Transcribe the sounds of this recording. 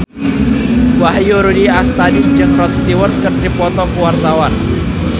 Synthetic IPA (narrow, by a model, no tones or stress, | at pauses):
waɦjuɾudiast̪adi̥d͡ʒɨŋrɔt̪̚st̪iwərt̪̚kərt̪ipɔt̪ɔkuwart̪awan